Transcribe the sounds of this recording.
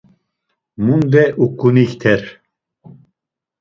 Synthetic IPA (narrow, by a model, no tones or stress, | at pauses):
mund̪ɛʔukːunikt̪ʰɛɾ